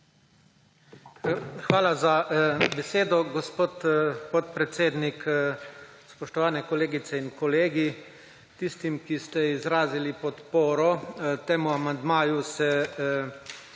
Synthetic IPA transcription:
xʋaːlazabɛseːd̪ɔɡɔspot̪pɔt̪pɾɛt̪seːd̪nik | spɔʃt̪ɔʋaːnɛkɔleːɡit̪sɛinkɔleːɡi | t̪ist̪imkist̪ɛizɾaːzilipɔt̪poːɾɔt̪eːmuamand̪maːjusɛ

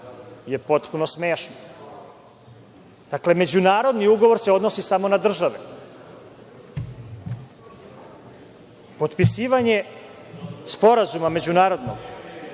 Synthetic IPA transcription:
jepo̞t̪puno̞sme̞ːʃno | d̪̥akle̞me̞d͡ʑunaːɾo̞d̪niuɡoʋo̞ɾseo̞d̪no̞sisamo̞nad̪r̩ʒaʋe | po̞t̪pisiːʋaɲe̞ | spo̞ɾazumame̞d͡ʑunaːɾo̞d̪noɡ

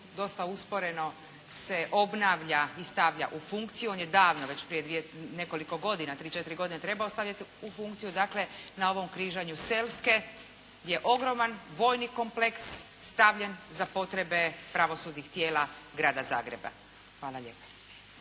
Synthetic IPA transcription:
d̪o̞st̪auspo̞ɾe̞no̞ | se̞ʔo̞bnaʋʎaist̪aʋʎa̰ʔufuŋkt̪sijuo̞njed̪aːʋno̞ʋe̞t͡ɕpɾije̞d̪ʋijene̞ko̞liko̞ɡo̞d̪inat̪ɾiːt͡ʃe̞t̪iɾiɡo̞d̪inet̪ɾe̞baost̪aʋʎʲat̪iufuŋkt̪sijud̪akle̞nao̞ʋo̞mkɾiːʒaɲuse̞lske̞ | ɡ̪je̞ʔo̞ɡɾo̞manʋo̞jniko̞mpleksː | t̪aʋʎe̞nzapo̞t̪ɾe̞be̞pɾaʋo̞suːd̪nixt̪jeːla | ɡɾaːd̪aza̰ːɡɾeba̰ | xʋaːlˠaʎepḁ

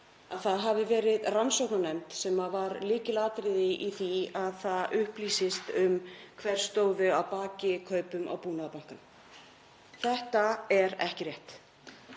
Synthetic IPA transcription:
aðθaðɦavɪvɛːɾɪðransowknanɛmt̪sɛmavaɾlɪːcɪlaːt̪ɾɪðɪʔiθiaðθaðʏhpliːsɪst̪ʏmkʰvɛɾ̥st̪oːwðʏawpaːcɪkʰœːɥpʏmʔa̰wpuːnaðapaŋ̥kan | θɛht̪aɛɾɛ̰hcɪrjɛht̪

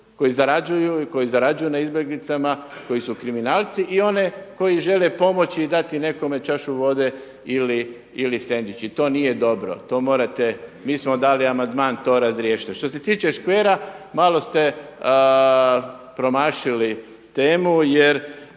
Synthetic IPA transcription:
ko̞jizaɾad͡ʒujuko̞jizaɾad͡ʒujunaizbjeɡlit̪samako̞jisukɾiminaːlt̪siʔio̞neko̞jiʒe̞le̞po̞mo̞t͡ɕiːd̪at̪ine̞ko̞me̞t͡ʃaʃuʋo̞d̪e̞ | ili | ilise̞nd̪it͡ʃit̪o̞ːnije̞d̪o̞bɾo̞̰t̪o̞ːmo̞ːɾat̪emiːsmo̞d̪aːliamand̪maːnt̪o̞ːɾazɾjeːʃi̥t̪ʃt̪o̞se̞t̪iːt͡ʃeʃkʋeːɾamalˠo̞st̪e̞ | pɾo̞maːʃili | t̪eːmujeɾ

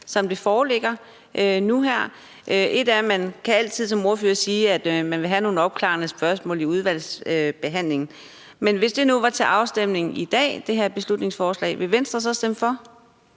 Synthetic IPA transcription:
sɒ̽md̥e̝fɒːleɡ̥ɐ | ʔønuɦæɐ̰ | ʔøʔe̝d̥æɐmænkʰææl̰t͡sʰið̞̰ˠsɒ̽mo̝ɐføːɐsiːæd̥mænʋe̝ɦæno̝ːn̩ɒ̽b̥̚kʰlɑ̰̈nəsb̥ɶɐsmɔ̰ːliuð̞ˠʋæl̰søb̥e̝ɦæn̰le̝ŋn̩ | menʋe̝sd̥e̝nuʋɑ̈t͡sʰe̝ʔɑ̈ʊsd̥em̰ne̝ŋn̩id̥ɛ̰ːd̥e̝ɦæɐ̰b̥e̝slud̥ne̝ŋsfɒːslɛ̰ːɪʋe̝ʋen̰sd̥ʁɐs̬ɒ̽sd̥emfɒ̽

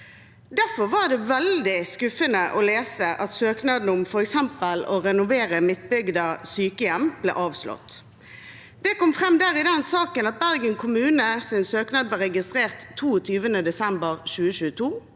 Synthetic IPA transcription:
d̪æfɔʁʋɑʁd̪ɛʋɛld̪ɪskʉfənəʔɔleːsəʔɑt̪søːknɑːd̪n̩ʊmfɔɾɛksɛmpəlɔɾɛnʊʋeːʁəmɪt̪bʏɡd̪ɑsyːkəjɛmb̥lɛ̰ːʔɑːʋslɔ̰t̪ | d̪̥ɛkɔmfʁɛmd̪æːʁɪd̪ɛnsɑːkənɑt̪̚bæʁɡənkʰʊmʉːnəsɪnsøːknɑːd̪̚blɑʁɛɡɪst̪ʁeːʁt̪ʰːuːɔt̪ʰyːʋənəd̪ɛsɛmbəʁʃʉːəʃʉːət̪ʰuː

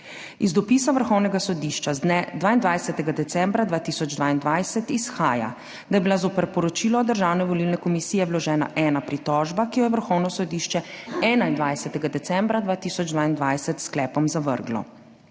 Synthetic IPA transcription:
izd̪ɔpiːsaʋəɾxɔwnɛɡasɔd̪iʃt͡ʃazd̪nɛd̪ʋaːind̪ʋajsɛt̪ɛɡad̪ɛt̪sɛ̃mbɾad̪ʋaːt̪isɔd͡ʒd̪ʋaːind̪ʋajsɛt̪isxaːja̰ | d̪ajɛbilazopəɾpɔɾɔt͡ʃiːlɔd̪əɾʒaːwnɛʋɔlilnɛkɔmisiːjɛwlɔʒɛːna̰ʔɛːnapɾit̪ɔːʒbakijɔjɛʋəɾxɔwnɔsɔd̪iːʃt͡ʃɛɛːnaind̪ʋajsɛt̪ɛɡad̪ɛt̪sɛmbɾad̪ʋaːt̪iːsɔd͡ʒd̪ʋaːind̪ʋajsɛt̪sklɛːpɔmzaʋə̰ɾɡlɔ̰

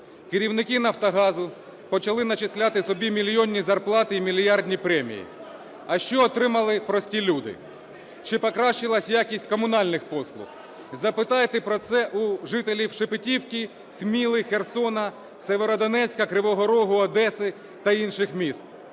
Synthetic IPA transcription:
kɪɾʲiwnɪkɪnɐwt̪ɐɦɑzʊ | pɔt͡ʃɐlˠɪnɐt͡ʃɪsʲlʲat̪ɪsɔbʲimʲilʲjɔnʲːizɐrplˠɑt̪ɪimʲilʲjɑrdʲnʲipɾɛmʲḭjḭ | ɐʃt͡ʃɔːt̪ɾɪmɐlˠɪpɾɔsʲtʲilʲud̪ɪ̰ | t͡ʃɪpɔkɾɑʃt͡ʃɪlˠɐsʲjakʲisʲt̚ʲkɔmʊn̪ɑlʲnɪxpɔslˠʊ̰x | zɐpɪt̪ɑjt̪ɛpɾɔt̪sɛʔuʒɪt̪elʲiwʃepɪtʲiwkʲi | smʲilˠɪxersɔnɐ | seʋeɾɔd̪ɔnɛt͡sʲkɐkɾɪʋɔɦɔɾɔɦʊɐd̪ɛsɪ | t̪ɐinʃɪxmʲist̪̚

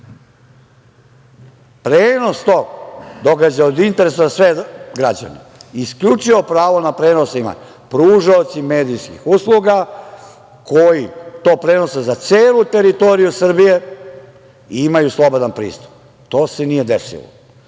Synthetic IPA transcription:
pɾeːno̞st̪o̞d̪o̞ɡad͡ʑaod̪int̪eɾesazasʋeɡɾad͡ʑa̰nḛ | isklʎʲut͡ʃiʋo̞pɾaːʋo̞napɾeːnosima̰ | pɾuːʒaot̪sime̞ːd̪ijskḭxuslˠuɡa | kʰo̞jit̪o̞ːpɾe̞no̞sezat̪seːlut̪e̞ɾit̪o̞ɾijusr̩bije̞ | iimajuslˠo̞bod̪anpɾḭːst̪u̥p | t̪o̞ːse̞nije̞d̪esḭlo̰

